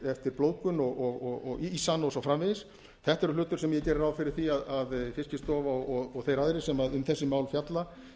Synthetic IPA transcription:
ɛft̪ɪɾploːwkʏnɔɣɔɣɔɣɔ̰ɣisanːowsawfɾamvɪðɪs | θɛht̪aɛɾʏlʏːt̪ʏɾsɛmjɛcɛːɾɪɾawfɪɾɪɾ̥θiaðaðfɪscɪst̪ɔːvaɔɔɣɔɣθejɾaðɾɪsɛmaðʏmθɛsːɪmaːwlfjat̪la

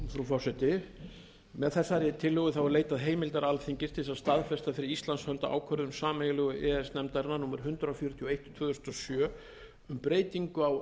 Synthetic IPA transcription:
θɾufɔsɛt̪ɪ | mɛðθɛsːaɾɪt̪ʰɪlːœɣʏθawɛɾleːjt̪aðɦeːjmɪlt̪aɾalθiŋcɪst̪ɪsaðst̪aðfɛst̪afɪɾɪɾist̪lanshœnt̪a̰ʔa̰ːwkʰœɾðʏmsaːmɛɣɪlʏɣʏʔɛɛsnɛmt̪aɾnanuːmaɾ̥ɦʏnt̪ɾaɔfjɔːɾʏt̪ʰiɔejht̪ɔt̪ʰv̥ʏːðʏst̪ɔsjœː | ʏmpɾeːjt̪iŋkʏaw

